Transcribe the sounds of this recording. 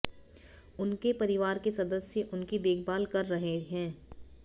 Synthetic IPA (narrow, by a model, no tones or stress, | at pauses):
ʊnkepɐɾɪʋaːɾkesɐd̪əsjəʔʊnkid̪eːkʰbaːlkɐɾːɐɦeɦɛ̃ː